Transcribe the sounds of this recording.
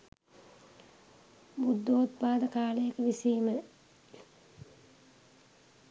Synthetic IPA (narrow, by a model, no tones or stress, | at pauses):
bud̪ːoːt̪̚paːd̪əkaːləjəkəʋisiːmə